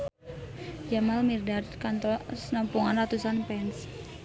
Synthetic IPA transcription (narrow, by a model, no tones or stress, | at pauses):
d͡ʒamalmirdad̪kant̪ɔsnɔmpuŋanrat̪usanpɛns